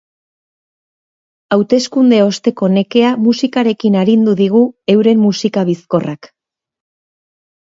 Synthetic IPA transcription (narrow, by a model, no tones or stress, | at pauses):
awt̪e̞skund̪e̞o̞st̪e̞ko̞ne̞ke̞amusikaɾe̞kinaɾind̪uðiɣ̞ue̞wɾe̞mːusikaβisko̞rʔak